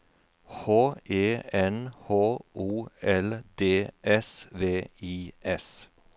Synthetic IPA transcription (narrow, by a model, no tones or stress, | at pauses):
hoːʔeːɛnhoːʔuːɛld̪eːʔɛsʋeːiːʔɛs